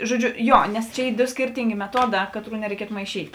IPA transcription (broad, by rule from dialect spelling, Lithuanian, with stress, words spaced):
ʒoːˈd͡ʒʲʊ ˈjoː nʲɛs ˈt͡ʃʲɛ ˈiː ˈdoː ˈsʲkʲiːrʲtʲɪŋʲɡʲeː mʲɛˈtuɔˌdɑː ˈkɑːˌtruː nʲɛrʲɛɪˈkʲiɛtʊ mɐɪˈʃʲiːtʲ